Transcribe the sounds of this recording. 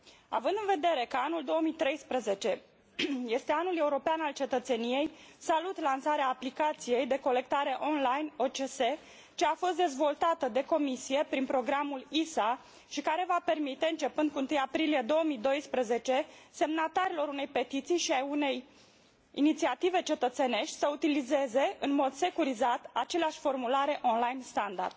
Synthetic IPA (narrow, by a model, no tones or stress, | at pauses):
a̰vɨnd̪ɨnve̞d̪e̞ɾe̞kəanuld̪o̞wəmit̪ɾe̞jspɾəze̞t͡ʃe̞ | je̞st̪e̞anule̞uɾo̞peanalt͡ʃe̞t̪ət̪se̞nije̞jsalut̪lansaɾeaːplikat̪sije̞jd̪e̞ko̞le̞k̚t̪aɾe̞ʔo̞nlajno̞t͡ʃese̞ | t͡ʃe̞afo̞st̪d̪e̞zvo̞lt̪at̪əd̪e̞ko̞misije̞pɾinpɾo̞ɡɾamulisa | ʃikaɾe̞vape̞rmit̪e̞ɨnt͡ʃe̞pɨnd̪̚kuɨnt̪ɨjapɾilije̞d̪o̞wəmid̪o̞jspɾəze̞t͡ʃe̞se̞mnat̪aɾilo̞ɾune̞jpe̞t̪it̪sijʃiaune̞j | ḭnit̪siat̪ive̞t͡ʃe̞t̪ət̪se̞ne̞ʃt̪ʲsəut̪ilize̞ze̞ɨnmo̞d̪se̞kuɾizat̪at͡ʃe̞leaʃʲfo̞rmulaɾe̞ʔo̞nlajnst̪and̪a̰rd̪̥